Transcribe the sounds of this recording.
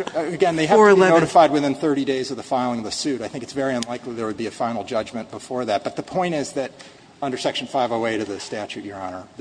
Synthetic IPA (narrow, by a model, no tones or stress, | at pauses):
ɨɡɛ̃nðeɪɨɛnoʊɾɨfaɪd̚wɨθɪ̃nθɜ˞ɾideɪzʌvðəfaɪlˠɪ̃ŋʌvðɨsʉɾaɪθɪ̃ŋkɨtsvɛɹiɨ̃nlaɪkliðə˞wɨd̚biɨfãɪ̃nl̩ˠd͡ʒʌd͡ʒmɨ̃nb̥əfɔɹðæt̚b̥ʌt̪̚ðɨpʰɔ̃ɪ̃ɾ̃ɪzðɨɾ | ʌ̃ndə˞sɛkʃn̩faɪvəeɪɾɨðɨstæt͡ʃʉʔjə˞ɑ̃nə˞